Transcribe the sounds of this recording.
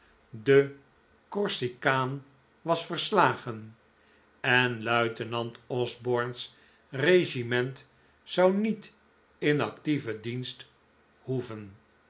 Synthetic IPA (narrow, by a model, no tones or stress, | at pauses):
də | kɔɹsikaːn | ʋɑsfərslaːχən | ɛnlœɥtənɑntɔzbɔɹns | rejʃimɛnt | sɑwnit | ɪnɑktivədinst | huvən